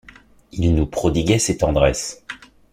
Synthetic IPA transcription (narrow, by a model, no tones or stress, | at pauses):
ilnupχɔd̪iɡʲɛset̪ɑ̃d̪ʁɛs